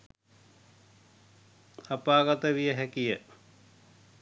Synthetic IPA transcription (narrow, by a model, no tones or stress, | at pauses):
apaːɡat̪əʋijəɦækijə